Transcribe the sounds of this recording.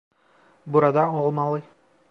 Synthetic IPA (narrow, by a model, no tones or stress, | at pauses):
buɾad̪ɑolˠmɑlˠɯ